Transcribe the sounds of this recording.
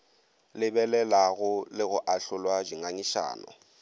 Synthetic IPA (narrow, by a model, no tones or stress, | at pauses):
lɪbɛlɛlaɣʊlɪɣʊʔaɬʊlwad͡ʒiŋaɲiʃa̰ːnɔ̰